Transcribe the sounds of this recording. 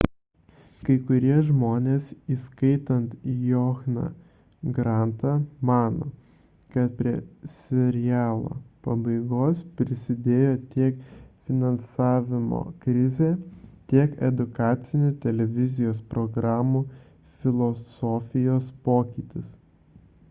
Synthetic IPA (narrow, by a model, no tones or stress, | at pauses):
kɐɪkʊɾʲiɛʒmoːnʲeːsiːskɐɪt̪ɐnt̪joːxnɐ̰ | ɡɾɑnt̪ɑmɑːno̰ː | kɐt̪̚pʲɾʲiɛsʲɛɾʲɪjæːlˠo̰ːpɐbɐɪɡoːspʲɾʲɪsʲɪd̪ʲeːjoːt̪ʲiɛkfʲɪnɐnsɑːʋʲɪmo̰ːkɾʲɪzʲeːt̪ʲiɛkɛd̪ʊkɑːt̪sʲɪnʲʊt̪ʲɛlʲɛʋʲɪzʲɪjoːspɾɔɡɾɑːmuː | fʲɪlˠɔsoːfʲɪjoːspoːkʲiːt̪ʲɪs